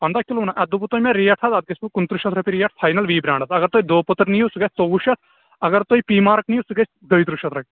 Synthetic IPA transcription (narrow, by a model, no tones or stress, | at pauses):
pɐnd̪aːkʲilunaʔɐd̪uput̪oːjmeɾijɐʈʰɐzɐt̪̚ɡɐsʰʲpukunt̪ɾuʃɐt̪ʰɾɐpiɾijɐʈʰpʰaːjnɐlʋiːbɾʲaːɳɖɐsʰɐɡɐɾt̪oːjid̪oːput̪ɾnijusɨɡɐsʰʲt̪oʋuʃɐt̪ʰ | ɐɡɐɾt̪oːipiːmaːɾknijusɨɡɐsʲ | d̪ɐjt̪ɾuʃɐt̪ʰɾɐpʲi